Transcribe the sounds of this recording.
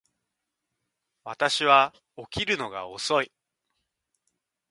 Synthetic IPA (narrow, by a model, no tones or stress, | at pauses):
βat̪aɕiβa | o̞kʲiɾɯ̟no̞ɡa̰o̞̰so̞i